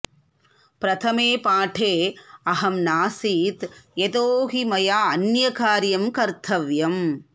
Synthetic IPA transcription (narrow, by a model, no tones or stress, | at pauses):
pɾɐt̪ʰɐmeːpaːʈʰeːɐɦɐmnaːsiːt̪jet̪oːɦimɐjaːɐnjɐkaːɾjɐmkɐɾt̪ʰɐʋjɐm